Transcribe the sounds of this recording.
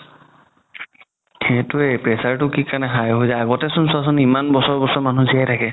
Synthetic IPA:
ɛtʊepɹɛsaɹtʊkikaɹnɛɦajɦojzajaɡɔtɛsʊnsɔs̬ɔnimanbɔsɔɹbɔsɔɹmanuzijajtʰakɛ

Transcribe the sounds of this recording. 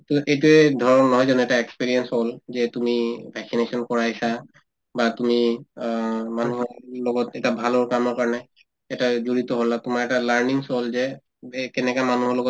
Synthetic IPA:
tuʔet̬uɛdʱɔɹɔnːɔɦɔjzɔnuɛtaekspiɹiɛnsholzɛtumibʱɛksinesɔnkɔɹajsa | batumi | manuɦɔɹlɔɡɔtɛtabʱalɔɹkamɔɹkaɹɔnɛ | ɛtazoɹit̪ɔɦolatʊmaɹɛtalaɹniŋsolzɛ | kɛnɛkamanuɦɔɹlɔɡɔt

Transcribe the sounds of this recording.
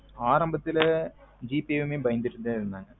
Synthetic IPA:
aːrɐmbɐt̪ːild͡ʑiːpiʋumebɐjnd̪iʈːuðjaːiɾunːaːŋɐ

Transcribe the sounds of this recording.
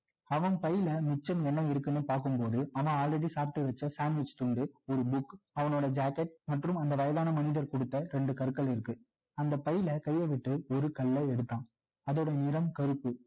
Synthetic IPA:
ɐʋɐnpɐjɪlɐmɪt͡ʃːɐmɛnːɐɪɾɯkːɯnːɯpaːɾkɯmpoːðɯaːnaːaːlɾɛɽisaːp̚ʈːɯʋɐt͡ʃːɐsaːnʋɪt͡ʃt̪ʊɳɖɯɔɾɯbʊkːɐʋɐnoːɽɐd͡ʒaːkɛʈ̚mɐʈrɯmɐnd̪ɐʋɐjɐðaːnɐmɐnɪðɐɾkɔɽɯt̪ːɐɾɛɳɖɯkɐɾɯkːɐɭɪɾɯkːɯ | ɐnd̪ɐpɐjɪlɐkɐjːɐʋɪʈːɯɔɾɯkɐɭːɐɛɽɯt̪ːãː | ɐðɔɽɐjɐnɪɾɐmkɐɾɯpːɯ

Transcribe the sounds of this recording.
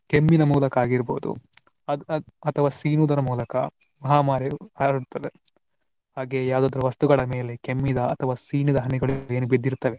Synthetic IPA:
kemːinɐmuːlɐkɐaːɡiɾboːd̪ṵ | ɐɐt̪ʰɐʋaːsiːnuːd̪ɐɾɐmuːlɐkɐ̰ | mɐɦaːmaːɾeaɾuɽt̪ːɐd̪e | haːɡeːjaːd̪ɐːd̪ɐɾuʋɐst̪uɡɐɭɐme̞ːle̞kemːid̪ɐɐt̪ʰɐʋaːsiːnid̪ɐɦɐniɡɐɭeːnubid̪ːiɾt̪ɐʋe̞

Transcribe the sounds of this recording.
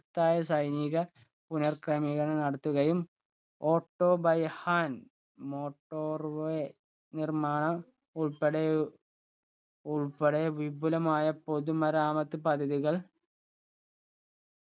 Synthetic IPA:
t̪ːaːjɐsɐjniɣɐ | punɐrkrɐmiɣɐnenɐɽɐt̪ːuɣɐjum | o̞ːʈːo̞ːbɐjɐhaːn | mo̞ːʈːoːrʋe | nirmaːɳɐm | uɭpeɽe | uɭpɐɽeʋibʱulɐmaːjɐpoðumɐɾaːmɐt̪ːɨpɐd̪ʱɐðiɣɐɭ

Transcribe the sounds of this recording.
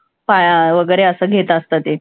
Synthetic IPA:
pajaʋəɡəjɾeəsəɡʱet̪əəst̪at̪e

